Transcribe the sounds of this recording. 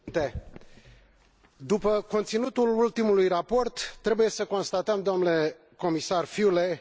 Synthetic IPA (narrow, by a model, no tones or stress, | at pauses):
nt̪e̞ | d̪upəko̞nt̪sinut̪ulult̪imulujrapo̞rt̪ːɾe̞buje̞səko̞nst̪at̪əmd̪oomnle̞ | ko̞misarfile